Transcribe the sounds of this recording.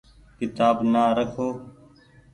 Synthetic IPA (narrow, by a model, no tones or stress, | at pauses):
kɪt̪aːbnaːɾəkʰoː